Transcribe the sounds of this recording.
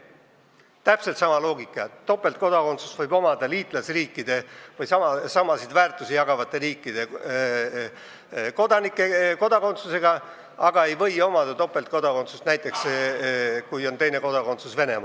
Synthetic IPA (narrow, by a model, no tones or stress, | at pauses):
t̪æpselt̪sɑmɑlo̞ːɡikːˑɑjɑt̪t̪ːo̞pːˑe̞lt̪̚ko̞d̪ɑko̞nt̪su̥svɤjbo̞mɑd̪̥ɑliːt̪ˑlɑsriːkːˑid̪̥e̞vɤjsɑmɑsɑmɑsid̪væːrt̪ːˑusijɑɡɑvɑt̪ːˑe̞ɾiːkˑːid̪̥e̞ | ko̞d̪ɑnikːˑeko̞d̪̥ɑko̞nt̪suse̞ɡ̥ɑ | ɑɡ̥ɑe̞jvɤ̞jo̞mɑd̪̥ɑt̪o̞pːˑe̞lt̪̚ko̞d̪̥ɑko̞nsust̪næjt̪ːˑe̞ks | kujo̞nt̪ejne̞ko̞d̪ɑko̞nt̪susve̞ne̞mɑ̰